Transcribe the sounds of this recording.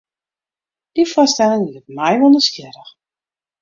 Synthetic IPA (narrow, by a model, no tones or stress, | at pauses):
d̥ifɔstɛlɪŋiətmɛjʋɔlˠndəskjɪɾəx